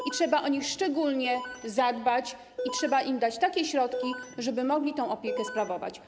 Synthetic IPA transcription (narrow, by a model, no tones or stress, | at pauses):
ʔitʂɛbaʔɔɲixʂt͡ʂɛɡulɲɛzad̪bat͡ɕ | itʂɛbaʔimd̪at͡ɕt̪akʲɛɕɾɔt̪kʲiʐɛbɘmɔɡlʲit̪ɔ̃w̃ɔpʲjɛkɛspɾavɔva̰t͡ɕ